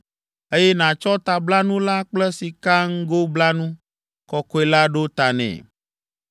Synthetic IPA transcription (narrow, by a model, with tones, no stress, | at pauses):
e˦jɛ˦nã˨t͡ʃɔ˦t̪a˨bla˦nũ˦la˦k͡plɛ˦si˨ka˦ŋ̩˦ɡo˦bla˦nũ˦ | kɔ˨ko˦e˨˦la˦ɖo˦t̪a˨nɛ̰̃˨